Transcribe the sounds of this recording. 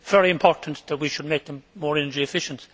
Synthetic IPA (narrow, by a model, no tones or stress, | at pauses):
v̥ɛɹiɨ̃mpʰɔɹʔn̩ðət̚wiʃəd̚meɪk̚ðə̃mːɔːɹɛnə˞d͡ʒiɨfɪʃə̃nt